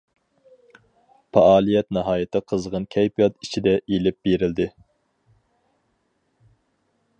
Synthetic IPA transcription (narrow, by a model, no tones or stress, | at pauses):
pʰɑɑːlˠijɛt̪nɨɦɑːjɪt̪ʰɨqʰəzʁənkʲʰɛjpʰijɑt̪it͡ʃʰid̪ɛʔelɪp̚b̥eɾɪld̪ɪ